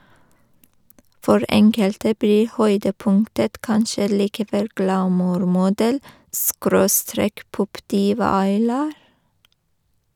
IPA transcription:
ˈfɔɹ ˈɛŋkəltə ˈbliː ˈhœʏdəˌpʊŋtət ˈkɑnʃə liːkəˈʋɛl ɡlɑˈmuːɾmʊˌdɛl ˈskɾoːˌstɾeːk ˈpɔpˌdiːʋɑ ɑɪˈlɑːɾ

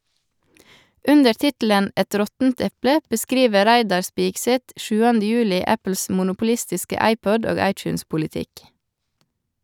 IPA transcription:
ˈʉndəɾ ˈtɪtl̩ən ˈɛt ˈɾɔtn̩t ˈɛplə bəˈskɾiːʋə ˈɾæɪdɑɾ ˈspiːɡˌsɛt ˈʃʉːɑndə ˈjʉːlɪ ˈæpl̩s mʊnʊpʊˈlɪstɪskə ˈɑɪˌpɔd ˈoːɡ ˈɑɪˌt͡ʃʉːnspʊlɪˌtɪk

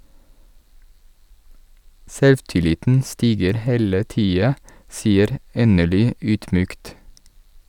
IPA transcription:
ˈsɛlʋtɪˌlɪtn̩ ˈstiːɡəɾ ˈheːlə ˈtiːɑ ˈsiːəɾ ˈeːnəɭʏ ˈyːdˌmyːkt

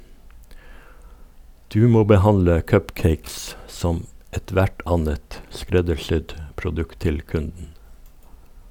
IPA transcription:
ˈdʉː ˈmoː bəˈhɑnlə ˈkœpˌkeɪks ˈsɔm ɛˈtʋæʈ ˈɑnət ˈskɾɛdəɾˌsʏd pɾʊˈdʉkt ˈtɪl ˈkʉndn̩

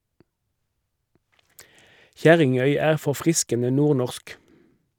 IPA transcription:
ˈçæʁɪŋœʏ ˈæːʁ fɔʁˈfʁɪskənə ˈnuːʁˌnɔʁsk

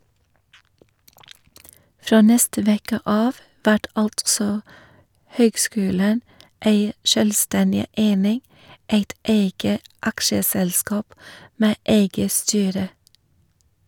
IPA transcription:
ˈfɾoː ˈnɛstə ˈʋeːkə ˈɑːʋ ˈʋæʈ ˈɑltsɔ ˈhøːɡˌskʉːlən ˈeɪ ˈʃœlˌstɛndɪ ˈʔeɪnɪŋ ˈeɪt ˈeɪɡə ˈɑkʃəˌsɛlˌskɑːp ˈmeː ˈʔeɪɡə ˈstyːɾə

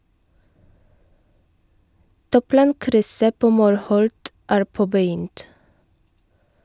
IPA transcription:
ˈtuːˌplɑːŋkɾʏsə ˈpoː ˈmuːɾˌhɔlt ˈæːɾ ˈpoːbəˌjʏnt

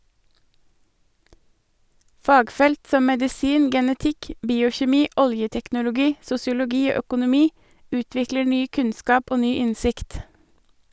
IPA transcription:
ˈfɑːɡˌfɛlt ˈsɔm mɛdɪˈsiːn ɡɛnəˈtɪk ˈbiːʊçɛˌmiː ˈɔljətɛknʊlʊˌɡiː sʊsɪʊlʊˈɡiː ˈoː œkʊnʊˈmiː ˈʉːtʋɪklə ˈɳyː ˈkʉnˌskɑːp ˈoː ˈnyː ˈɪnsɪkt

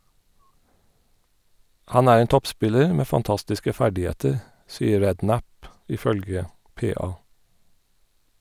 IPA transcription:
ˈhɑn ˈæːɹ ˈeːn ˈtɔpˌspɪləɹ ˈmeː fɑnˈtɑstɪskə ˈfæɖɪˌheːtəɹ ˈsiːəɾ ˈɹɛdˌnæp ˌʔɪˈfœlɡə ˈpeːˌɑː

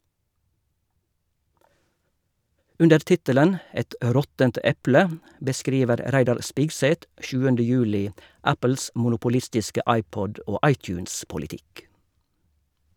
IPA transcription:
ˈʉndəɹ ˈtɪtələn ˈɛt ˈʔɾɔtənt ˈɛplə bəˈskɾiːʋəɾ ˈɾæɪdɑɾ ˈspɪɡsɛt ˈʔʃʉːəndə ˈjʉːlɪ ˈæpəl̩s mʊnʊpʊˈlɪstɪskə ˈɑɪˌpɔd ˈoː ˈɑɪˌtjʉːnspʊlɪˌtɪk

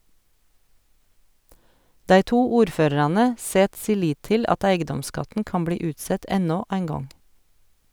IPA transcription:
ˈdæɪ ˈtuː ˈuːɾˌføːɾɑɾɑnə ˈseːt ˈsiː ˈliːt ˈtɪl ˈɑt ˈæɪɡədɔmˌskɑtən ˈkɑːn ˈbliː ˈʉːtˌsɛt ˈɛnoː ˈæɪn ˈɡɔŋ

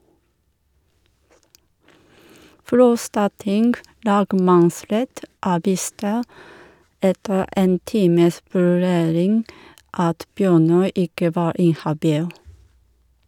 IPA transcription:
ˈfɾɔstɑˌtɪŋɡ ˈlɑːɡmɑnˌsɾɛt ˈɑːˌʋiːstə ˈɛtə ˈeːn ˈtiːməs ʋʉˈɾeːɾɪŋɡ ˈɑt ˈbjøːˌnœʏ ˈɪkə ˈʋɑːɾ ˈɪnhɑˌbiːl

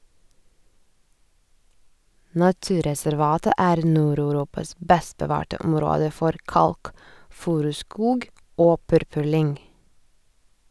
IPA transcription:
nɑˈtʉːɾɛsæɾˌʋɑːtə ˈæːɾ ˈnuːɾɑʉˌɾuːpɑs ˈbɛst bəˈʋɑːʈə ˈɔmɾoːdə ˈfɔɾ ˈkɑlkˌfʉːɾʉˌskuːɡ ˈoː ˈpʉɾpʉɾˌlʏŋ

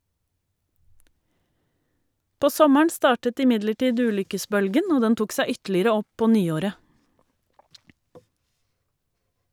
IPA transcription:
ˈpoː ˈsɔməɳ ˈstɑːʈət ɪˈmɪdləˌʈiːd ˈʉːlʏkəˌsbœlɡən ˈoː ˈdɛn ˈtuːk ˈsæ ˈʏtlɪɾə ˈɔ ˈpoː ˈnyːˌoːɾə

